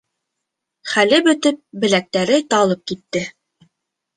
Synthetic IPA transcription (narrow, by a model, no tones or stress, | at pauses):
χælɘbɵ̆t̪ɘp̚bɘ̆læk̚t̪æɾɘt̪ɑlˠɤp̚kit̪ːɘ